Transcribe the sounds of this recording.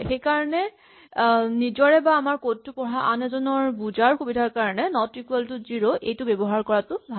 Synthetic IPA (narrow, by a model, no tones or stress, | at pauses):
xejkaɹɔnɛ | nizɔɹɛbaːmaɹkotːupɔɦaʔanɛzɔnɔɹbuzaɹxubidʱaɹkaɹɔnɛnɔtɹikuɛltʊziɹoʔejtʊbɛbɔɦaɹkɔɹatʊbʱa